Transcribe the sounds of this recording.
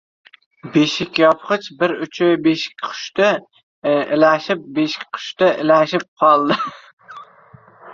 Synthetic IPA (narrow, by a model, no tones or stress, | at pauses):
beʃɪkʲjɒpχɨt͡ʃbɪɾʊt͡ʃʰɪbeʃɪ̥kʲqʰʊ̥ʃt̪ɪ | ɪlæʃɪp̚beʃɪ̥kʲqʰʊ̥ʃt̪aʔɪlæʃɪp̚qʰɑlˠd̪ɪ